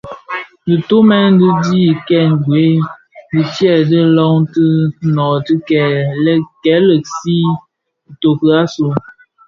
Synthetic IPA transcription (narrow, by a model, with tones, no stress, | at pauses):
dɨ˨to˦mɛ˦dɨ˦di˦˨kɛ˦˨ŋɡwe˨˦ | dɨ˨tjɛ˦˨dɨ˦lɔ˦ŋtɨ˦nɔ˨tɨ˦kɛ˨lɛ˦kɛ˨˦lə˨k̚si˦˨ | to˨kə˨a˦su˨